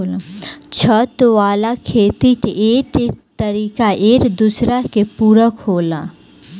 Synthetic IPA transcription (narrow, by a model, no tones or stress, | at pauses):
t͡ʃʰət̪ʋaːlakʰeːt̪iʈeːʈt̪əɾiːkaʔeːʈd̪usɾaɦkepuːɾəkhoːla